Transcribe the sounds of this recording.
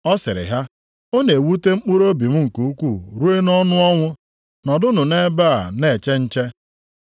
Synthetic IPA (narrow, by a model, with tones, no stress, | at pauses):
ɔ˦sɪ̰˨ɾɪ̰˨ɦa˦ | o˦ne˨wu˦te˦ŋ͡m̩˦k͡pu˦ɾo˦bi˨m̩˦ŋ̩˨ku˨u˦kʷu˦˨ɾu˦e˦nɔ˦nʊ˦ɔ˦ŋʷʊ˦ | nɔ˨dʊ˦nʊ˨ne˦baː˦˨a˨ne˨t͡ʃe˦n̩˦t͡ʃe˦